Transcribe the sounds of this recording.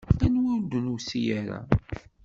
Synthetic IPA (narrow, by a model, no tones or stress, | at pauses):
ænwid̪ənusijæɾa̰